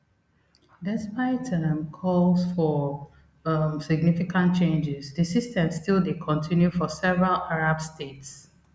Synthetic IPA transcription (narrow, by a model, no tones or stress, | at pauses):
dɛspaɪtʰəmkʰɔlsfɔ | siɡ̚nifikãnt̚t͡ʃẽnd͡ʒɪzdisistʰɛ̃mstilˠdekʰɔ̃ntʰĩnjufɔsɛvɹalʔaɹabstʰets